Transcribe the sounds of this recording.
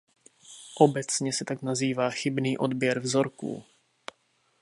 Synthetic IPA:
ʔo̞bɛt͡sɲɛsɛt̪aknaziːvaːxɪbniːʔo̞dbjɛɾvzo̞ɾkṵː

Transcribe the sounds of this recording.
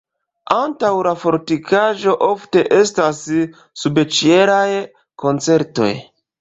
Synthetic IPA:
antawlafo̞ɾtikaʒo̞ʔo̞fte̞ʔe̞stasː | ubet͡ʃie̞ɾaj | ko̞nt͡se̞ɾto̞̰j

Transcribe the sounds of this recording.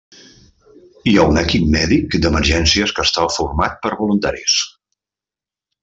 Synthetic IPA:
iaunəkip̚mɛðikd̪əmərʒɛnsiəskəst̪afurmat̪̚pəɾβulunt̪aɾḭs

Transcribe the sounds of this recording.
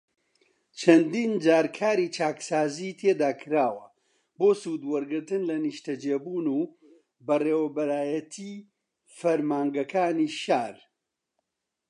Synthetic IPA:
t͡ʃʰɐnd̪iːnd͡ʒaːɾkʰaːɾiːt͡ʃʰaːksaːziːt̪ʰeːd̪aːkʰɨɾaːwɐ | boːsuːd̪wɐɾɡɨɾt̪ɨnlɐniʃt̪ɐd͡ʒeːbuːnuː | bɐreːwɐbɐɾaːjɐt̪ʰi | fɐɾmaːŋɡɐkaːniːʃaːɾ

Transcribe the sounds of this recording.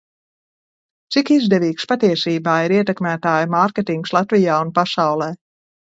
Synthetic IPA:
t̪sikizd̪ɛviːkspat̪iɛsiːbaːiɾiɛt̪ɛkmæːt̪aːjmaɾkʲet̪iŋkslˠat̪vijaːunpasawlˠɛː

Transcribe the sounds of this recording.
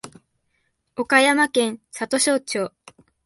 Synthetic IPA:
o̞kajamakẽ̞ɰ̃sat̪o̞ɕo̞ːt͡ɕo̞ː

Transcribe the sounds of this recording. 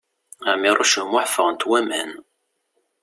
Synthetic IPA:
amirˤʊʃəmaħfəʁənt̪wæmæ̰n

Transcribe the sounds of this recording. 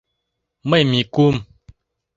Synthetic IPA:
məmikum

